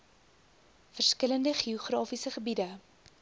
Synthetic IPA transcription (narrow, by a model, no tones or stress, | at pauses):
fərskələndəχiuχrɑːfisəχəbidə